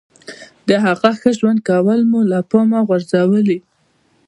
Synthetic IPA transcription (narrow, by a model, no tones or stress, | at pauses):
d̪̥əɦaɣaxəʒwand̪̚kawəlmulapomaɣaɾzawəli